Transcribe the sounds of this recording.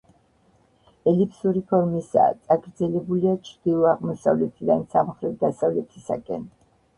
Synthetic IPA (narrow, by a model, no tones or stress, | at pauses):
ɛlipʰsuɾipʰɔɾmisa̰ːt̪sʼaɡɾd̪zɛlɛbuliat͡ʃʰɾd̪ilˠɔaʁmɔsavlɛt̪ʰiɾainsamχɾɛvd̪asavlɛt̪ʰisakʼɛ̰n